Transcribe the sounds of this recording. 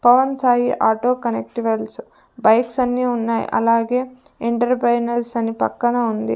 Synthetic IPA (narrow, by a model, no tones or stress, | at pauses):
pɐʋɐnsaːɦiʔaːʈoːkɐnek̚ʈiʋɐls | bɐjksɐnːiːunːaːjḭʔɐ̰laːɡeː | eɳʈɐɾpɾɐjnɐɾsɐnipɐ̰kːɐnɐund̪ḭ